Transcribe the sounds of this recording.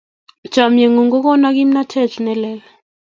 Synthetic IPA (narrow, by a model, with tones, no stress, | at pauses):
d̥ʒ̥ʱa˨mjɛ˨ŋu˨ŋɡɔ˦k̬ɔ˦na˦k̬i˦m̩na˦tʰɛ˦˨zʱu˨nɛ˨lɛː˦lɛ